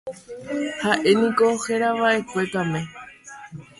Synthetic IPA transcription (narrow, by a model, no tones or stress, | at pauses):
haʔe̞nĩkohe̞ɾaʋaʔe̞kʷe̞k̪amẽ̞